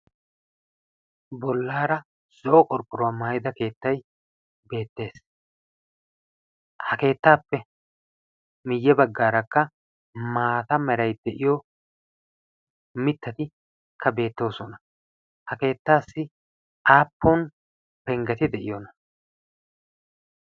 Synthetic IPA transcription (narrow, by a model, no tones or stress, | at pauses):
bɔlːaːɾɐ | sɔʔɔkʼɔɾkʼːʊɾoamaːjɪd̪ɐke̞ːt̪ːɐj | be̞ːt̪ːe̞ːs | hɐke̞ːt̪ːaːpːɛ | mɪjːɛbɐɡːaːɾɐkːɐ | maːt̪ɐmɛɾɐjd̪ɛʔɪjɔ | mɪt̪ːɐt̪ɪ | kʰːɐbe̞ːt̪ːo̞ːsɔnɐ | hɐke̞ːt̪ːaːsːɪ | ʔaːpːɔn | pɛŋɡɐt̪ɪd̪ɛʔɪjɔnɐ